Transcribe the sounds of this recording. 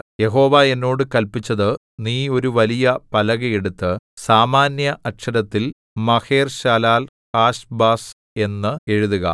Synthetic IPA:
je̞ɦo̞ːʋaːe̞nːo̞ːɽɨkɐlpit͡ɕːɐðɨ | niːo̞ɾuʋɐlijɐpɐlɐɣɐeɽut̪ːɨsaːmaːnjɐʔɐkʂɐɾɐt̪ːil | mɐhe̞ːrɕaːlaːl | haːɕbaːs | e̞nːɨe̞ɻuðuɣɐ̰

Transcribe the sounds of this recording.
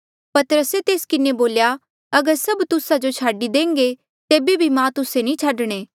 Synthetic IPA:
pɐt̪əɾəset̪eːskɪneboːlja | ɐɡəɾsɐbt̪ʊsad͡ʒot͡ʃʰaːɖid̪ẽːŋɡe | t̪eːbebʱimãt̪ʊsenĩt͡ʃʰaɖɽ̃eː

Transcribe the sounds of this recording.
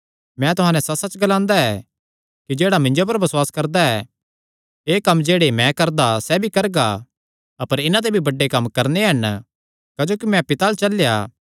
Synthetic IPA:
mɛ̃t̪ʊɦãːnɛsɐsɐt͡ʃɡɐlãːnd̪aɛ | kid͡ʒeːɽamɪ̃ɲd͡ʒop̬ɐɾbɐswaːskɐɾd̪aɛ | eːkɐmːd͡ʒeːɽemɛ̃kɐɾd̪asɛbʱikɐɾɡa | ɐpəɾɪnãt̪̬ebʱibɐɖːekɐmːkɐɾneɦɐn | kɐd͡ʒoːkimɛ̃pɪt̪alt͡ʃɐlja̰ː

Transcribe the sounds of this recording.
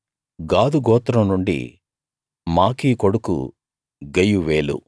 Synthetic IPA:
ɡaːd̪uɡɔːt̪ɾɐmnuɳɖḭ | maːkiːkoɽukṵ | ɡɐjuʋeːlṵ

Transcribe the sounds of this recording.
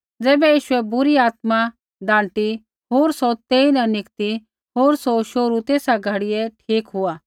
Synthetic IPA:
d͡zɛːbɛjiːʃʊɛbʊɾiaːt̪̚mã | d̪ãːɳʈi | ɦoːɾsɔt̪eːinɐ̃nɪkt̪i | ɦoːɾsɔʃoːɾut̪eːsaɡʱɐɽiɛʈʰiːkɦʊaː

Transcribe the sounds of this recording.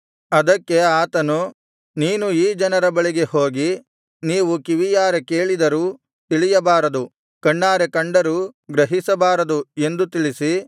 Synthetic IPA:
ɐd̪ɐkːe̞aːt̪ɐnu | niːnuiːd͡ʒɐnɐɾɐbɐɭiɡe̞ho̞ːɡi | niːʋukiʋijaːɾeke̞ːɭid̪ɐɾuː | t̪iɭijɐbaːɾɐd̪u | kɐɳːaːɾekɐɳɖɐɾuːɡɾɐɦisɐbaːɾɐd̪ue̞nd̪ut̪iɭisi

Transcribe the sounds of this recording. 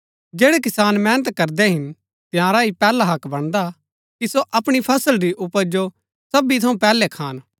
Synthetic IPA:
d͡ʒeːɽek̬ɪsaːnmɛːnət̪kɐɾd̪ɛɦɪn | t̪ɪjãːɾaɦipɛːlaɦɐkbɐɽ̃d̪a | kisoʔɐpɽ̃ipʰɐsəlɾiʔʊpːəɾd͡ʒo | sɐbit̪ʰɐũpɛːlɛkʰaːn

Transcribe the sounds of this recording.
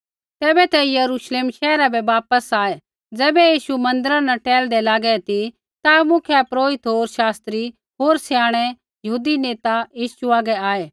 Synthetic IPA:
t̪ɛːbɛt̪ɛjɐɾuːʃleːmʃɛːɾabɛʋaːpəsaːe | d͡zɛːbɛjiːʃumɐ̃nd̪əɾãnaʈɛːld̪ɛlaːɡɛt̪i | t̪amʊ̃kʰɛpɾoːɪt̪ɦoːɾʃaːst̪ɾi | ɦoːɾsɛjaːɽ̃ɛ | jɐɦuːd̪ineːt̪ajiːʃuaːɡɛaːeː

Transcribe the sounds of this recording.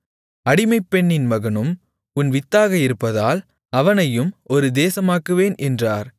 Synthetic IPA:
ɐɽɪmɐɪpːɛɳːɪnmɐɣɐnɯm | ʊnʋɪt̪ːaːɣɐɪɾɯpːɐðaːl | ɐʋɐnɐjɯmɔɾɯd̪eːsɐmaːkɯʋeːnʔɛndraːɾ

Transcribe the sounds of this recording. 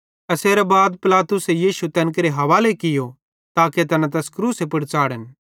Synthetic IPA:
ɐseːɾɛbaːd̪pɪlaːt̪ʊsejiːsut̪ɛːnk̬ɐɾeɦɐʋaːlekɪjo | t̪aːket̪ɐnãt̪̬ɛːskɾuːsepɐɽt͡ʃaːɽən

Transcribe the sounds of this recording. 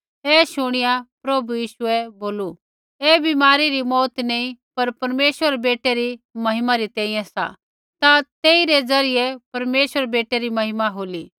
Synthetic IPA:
ɛːʃʊɽ̃ɪjapɾɐbujiːʃuɛboːlu | ɛːbɪmaːɾiɾimɔːt̪neĩpɐɾpɐɾmeːswəɾebeːʈeɾimɐɦɪmaɾit̪ɛ̃ːɪ̃jɛ̃sa̰ | t̪at̪eːiɾed͡zɐɾɪjɛpɐɾmeːsʋəɾbeːʈeɾimɐɦɪmaɦoːli

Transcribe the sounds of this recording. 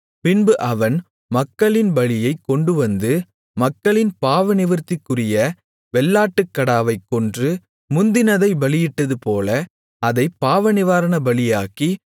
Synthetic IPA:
pɪnbɯʔɐʋɐn | mɐkːɐɭɪnbɐɭɪjɐɪkːɔɳɖɯʋɐnd̪ɯ | mɐkːɐɭɪnpaːʋɐnɪʋɪɾt̪ːɪkːɯrɪjɐ | ʋɛlːaːʈːɯkːɐɽaːʋɐɪkːɔndrɯ | mʊnd̪ɪnɐðɐɪbɐɭɪjɪʈːɐðɯpoːlɐ | ɐðɐɪpːaːʋɐnɪʋaːɾɐnɐbɐɭɪjaːki

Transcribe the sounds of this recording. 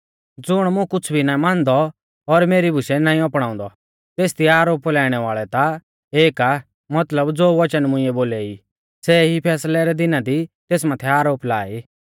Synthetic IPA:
d͡zʊɽ̃mʊ̃kʊt͡sʰbʱinãːĩmãːnd̪ɔ | ɔɾmeːɾibʱʊʃɛnãːĩɔpɽ̃ãːʊ̃nd̪ɔ | t̪eːst̪iaːɾoːplɛːɽ̃ɛʋaːɭɛt̪a | eːka | mɐt̪ləbd͡zoːʋɐt͡ʃənmʊ̃ɪ̃ɛboːlɛi | sɛɦipʰɛːslɛɾɛd̪ɪnad̪it̪eːsmãːt̪ʰɛaːɾoːplaːiː

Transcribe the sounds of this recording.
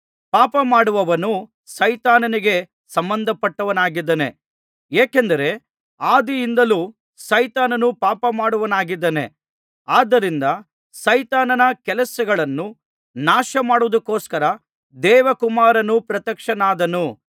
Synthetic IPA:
paːpɐmaːɽuʋɐʋɐnu | sɐjt̪aːnɐniɡe̞ | sɐmbɐnd̪ʱɐpːɐʈːɐʋɐnaːɡid̪ːɐnḛ | eːkend̪ɐɾe̞ | aːd̪ijind̪ɐluː | sɐjt̪aːnɐnupaːpɐmaːɽuʋɐnaːɡid̪ːɐnḛ | aːd̪ɐɾind̪ɐ | sɐjt̪aːnɐnɐkɛlɐsɐɡɐɭɐnːu | naːʃɐmaːɽuʋd̪ukːoːskɐɾɐ | d̪ɛːʋɐkumaːɾɐnupɾɐt̪ɐkʂɐnaːd̪ɐnu

